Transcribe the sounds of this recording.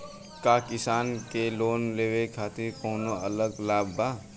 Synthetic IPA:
kaːkɪsaːnkeloːnleːʋekʰaːt̪ɪɾkoːnoɐləɡlaːbːaː

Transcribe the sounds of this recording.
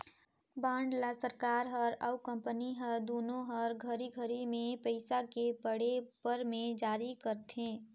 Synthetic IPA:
baːɳɖlasəɾkaːɾɦəɾəʊkə̃mpəniɦəɾd̪oːnõɦəɾɡʱəɾiɡʱəɾimẽpəɪsakepəɽepəɾmẽd͡ʒaːɾikəɾt̪ʰẽː

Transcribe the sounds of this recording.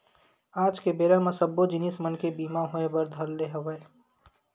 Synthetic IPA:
aːd͡ʒkebeːɾamãsəbːod͡ʒɪniːsmənkebiːmaɦoebəɾd̪ʱəlːeɦəʋəe

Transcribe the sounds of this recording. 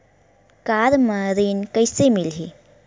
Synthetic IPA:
kaɾməɾinkəjsemilɦi

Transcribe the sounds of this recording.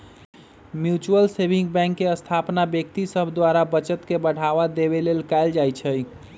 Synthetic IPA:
mjut͡ʃuəlsebʱĩŋɡ̚bɛ̃ŋkːeəst̪ʰapnabjək̚t̪isəbʱd̪waɾabət͡ʃət̪kebəɽ̤aβad̪ebelelkaɪld͡ʒajt͡ʃʰəj

